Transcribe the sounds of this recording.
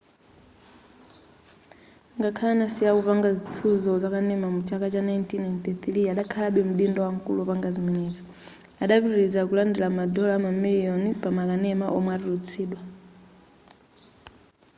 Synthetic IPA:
ŋɡakʰalanasiakupaŋɡazit͡sʰuzɔzakanɛmamut͡ʃʰakat͡ʃanajntʰinajntiθɾiaɗakʰalaɓɛm̩ɓindɔwaŋ̩kṵlupaŋɡaziminɛza | aɗapiɾiɾid͡zak̬ulandilamadɔlamamilijɔnipamakanɛmaʔɔmwaɾilut͡sʰiːɗwa

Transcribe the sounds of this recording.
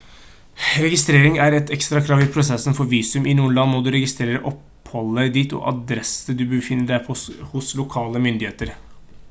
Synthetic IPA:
ɾɛɡɪst̪ɾeːɾɪŋæɾɛt̪ɛkst̪ɾɑkʰɾɑːʋɪpʰɾʊsɛsːənfɔɾʋiːsʉmʔɪnuːənlɑnmɔd̪ʉɾɛɡɪst̪ɾeːɾəʔɔp | hɔlːəd̪it̪ɔ̰ʔɑ̰d̪ɾɛsəd̪ʉbəfɪnːəɖæɪpʰɔhʊslʊkʰɑːləmʏnd̪ɪheːt̪əɾ

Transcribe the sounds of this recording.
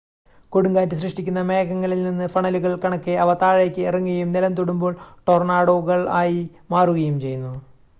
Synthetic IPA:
ko̞ɽuŋɡaːntːɨɕ̬rɨʂʈikʲːunːɐmeːɣɐŋːɐɭilninːɨfɐɳɐluɣɐɭkɐɳɐkːɨɐʋɐt̪aːɻeːkʲːɨirɐŋːuɣɐjumnilɐmt̪oɽumbo̞ːɭʈo̞rnaːɽo̞ːɣɐɭaːji | maːruɣɐjumt͡ɕe̞junːu

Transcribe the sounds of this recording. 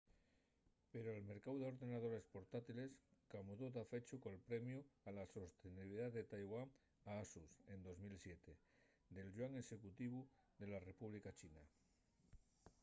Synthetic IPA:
peɾoelme̞ɾkawðeo̞ɾðe̞nað̞o̞ɾe̞spo̞ɾt̪at̪ile̞skamuðot̪afe̞t͡ʃukolpɾemjualaso̞st̪eniβiliðaðet̪ajɣwaŋ | aasusend̪o̞zmilsjet̪e | d̪e̞lʝwaŋe̞se̞kut̪iβ̞u | ðe̞lare̞puβlikat͡ʃina

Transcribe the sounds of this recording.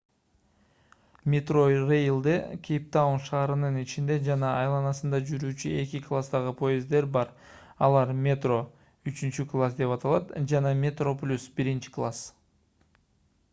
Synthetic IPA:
mʲet̪ro̞jrejlˠd̪ɯkʲʰejp̚t̪aunʃɑːɾɯnɯnit͡ʃind̪e̞d͡ʒɑnɑːjlˠɑnɑsɯnd̪ɑd͡ʒyɾyːt͡ʃye̞kiklˠast̪ɑʁɯpʰo̞jɪzd̪e̞ɾbɑɾ | ɑlˠɑɾmʲet̪ro̞ | yt͡ʃynt͡ʃyklˠasd̪e̞pɑt̪ɑlˠɑt̪d͡ʒɑnɑmʲet̪ro̞plʲusbiɾint͡ʃi̥klˠas

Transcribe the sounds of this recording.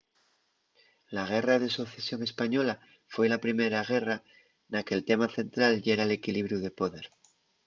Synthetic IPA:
laɣ̞e̞rað̞e̞soθesjo̞ŋe̞spaɲo̞la | fwe̞lapɾime̞ɾaɣ̞e̞ra | nake̞lt̪e̞maθe̞nt̪ɾalʎe̞ɾaele̞kiliβɾjuð̞e̞po̞ðe̞ɾ

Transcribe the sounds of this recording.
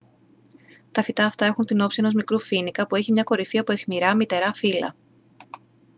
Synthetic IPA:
t̪ɐfit̪ɐːft̪ɐe̞xunt̪ino̞psie̞no̞zmikɾufinikɐpue̞çimɲɐko̞ɾifiɐpo̞exmiɾɐmit̪e̞ɾɐfilɐ̰

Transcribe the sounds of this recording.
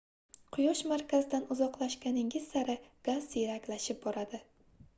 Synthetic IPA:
qʰʊjɒʃmaɾkʲazd̪anʊzɒqlˠaʃkʲanɪŋɪzsaɾɪɡ̥azːiɾakʲlaʃɪp̚bɒɾad̪ɪ

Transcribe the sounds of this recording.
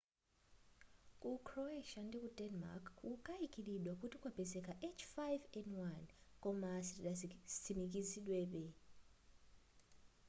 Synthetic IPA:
kʼukʰrɔeʃandikʼudɛnma̰kʰukʼaikʼiliɗwakutikʼwab̥ɛzɛkaʔet͡ʃʰfajvɛndwankʼɔmasiastʰimikʼiziɗwɛɓɛ

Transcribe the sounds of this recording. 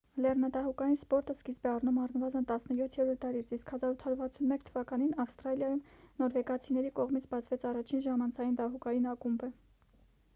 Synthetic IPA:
lɛrnɑd̪ɑɦukɑjinspɔɾt̪əskizbɛɑrnumɑrnəvɑzənt̪ɑsnəjɔt̪ʰjɛɾɔɾt̪d̪ɑɾit͡sʰiskhɑzɑɾut̪ʰhɑɾuɾvɑt͡sʰunmɛkt̪ʰəvɑkɑn̪inɑfst̪ɾɑljɑjumnɔɾvɛɡɑt͡sʰinɛɾikɔʁmit͡sʰbɑt͡sʰvɛt͡sʰɑrɑt͡ʃʰinʒɑmɑnt͡sʰɑjind̪ɑɦukɑjinɑkumbə

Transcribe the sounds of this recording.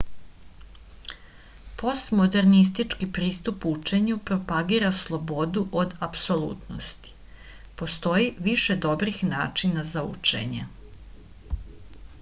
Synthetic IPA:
po̞st̪mo̞d̪e̞ɾnis̬t̪it͡ʃkipɾiːst̪uput͡ʃe̞ɲupɾo̞paɡiːɾaslˠo̞bo̞d̪uʔo̞d̪apso̞lˠṵːt̪no̰st̪i̥ | po̞st̪o̞jiʋiʃe̞d̪o̞bɾixna̰ːt͡ʃinazaṵt͡ʂe̞̰ɲḛ

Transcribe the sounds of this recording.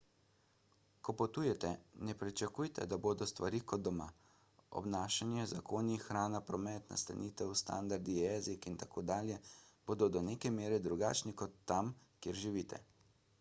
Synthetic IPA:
kɔpot̪uːjɛt̪ɛnɛpɾit͡ʃakuːjt̪ɛ̰d̪aboːd̪ɔst̪ʋaɾiːkɔd̪d̪ɔma | ɔ̰bnaːʃanjɛzakoːnixxɾaːnapɾɔmɛːt̪na̰st̪a̰nit̪ɛwst̪a̰nd̪aɾd̪ijɛːzikint̪akoːd̪aːljɛb̥oːd̪ɔd̪ɔneːkɛmeːɾɛd̪ɾuɡa̰t͡ʃnikɔt̪ːamkjeːɾʒiʋiːt̪ʰɛ̰

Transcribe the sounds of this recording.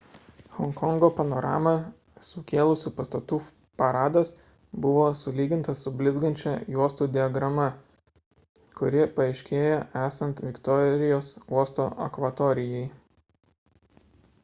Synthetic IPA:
hɔŋkɔŋɡoːpɐnɔɾɑ̰ːmɐ | sʊkʲeːlˠʊsʲuːpɐst̪ɐt̪uː | pɐɾɑːd̪ɐs | bʊʋoːsʊlʲiːɡʲɪnt̪ɐsʊbʲlʲɪzɡɐnʲt͡ʃʲɛjuɔst̪uːd̪ʲɪɐɡɾɐmɐ | kʊɾʲɪpɐɪʃʲkʲeːjɛæːsɐnt̪ʋʲɪkt̪ɔɾʲɪjoːsuɔst̪oːʔɐ̰kʋɐt̪ɔɾʲɪjɛɪ

